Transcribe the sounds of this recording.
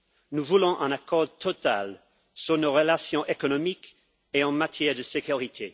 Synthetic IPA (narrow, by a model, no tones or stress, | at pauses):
nuvulɔ̃ʔɛ̃nakɔʁt̪ʰɔt̪a̰l | syʁnoʁəlasjɔ̃ʔekɔnɔmik | eɑ̃mat̪ʰjɛʁd̪əsekyʁit̪ʰe